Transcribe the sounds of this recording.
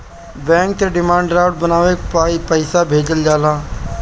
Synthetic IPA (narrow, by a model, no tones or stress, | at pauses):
bɛ̃ːŋk̚t̪eɖɪmãːɳɖɾaːʊɖ̚bənaːʋeːkpaːipəɪsabʱeːd͡ʒəld͡ʒaːlaː